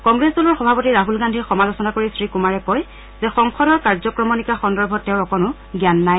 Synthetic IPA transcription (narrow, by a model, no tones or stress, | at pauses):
kɔŋɡɹesulɔɹxɔbʱapotiɹaɦulɡandʱiɹxɔmalɔsɔnakoɹisɹikumaɹɛkɔj | zɛxɔŋxʰɔɾɔɹkaɹzɔkɹɔmɔnikaxɔndɔɹbʱɔtːɛʊɹɔkɔnʊ | ɡjanːaj